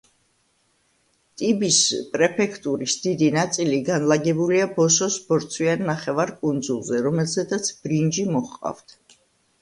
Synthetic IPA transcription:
t̪ʼibispʼɾɛpʰɛkʰt̪ʼuɾisd̪̥id̪inat̪sʼiliɡanlaɡɛbuliabɔʃɔsbɔɾt̪sʰwianːaχɛvaɾkʼund̪zulˠzɛɾɔmɛlzɛd̪at̪sʰb̥ɾind͡ʒimɔχqʼa̰vt̪ʰ

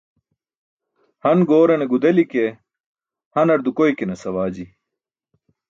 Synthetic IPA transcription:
hɐnɡoːɾɐneɡud̪ɐlike | hɐnɐɾd̪ukoikenɐsɐwaːd͡ʑi

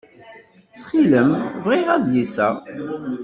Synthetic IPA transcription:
t͡sːχiləmvʁiʁæðjisæ

